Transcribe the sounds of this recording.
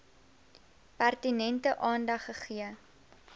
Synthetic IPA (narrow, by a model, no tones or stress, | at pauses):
pærtinɛntəʔɑːndɐχːəχiə